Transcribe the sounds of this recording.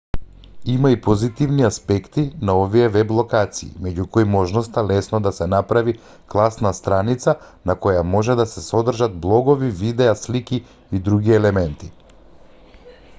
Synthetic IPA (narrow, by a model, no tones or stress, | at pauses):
imaipɔzit̪ivniaspɛkt̪inaovijɛvɛblˠɔkat̪sḭːmɛɟukɔjmɔʒnɔst̪alɛsnɔd̪asɛnapɾavi | klˠasnast̪ɾanit̪sa | nakɔjamɔʒɛd̪asɛsɔd̪r̩ʒad̪̚blˠɔɡɔvivid̪ɛasliki | id̪ɾuɡiɛlɛmɛnt̪i